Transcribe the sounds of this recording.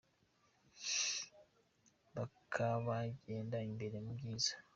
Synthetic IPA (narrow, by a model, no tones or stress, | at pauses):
bakʰaβaɟe̞ːndaimbe̞ɾe̞mubɟiːzḁ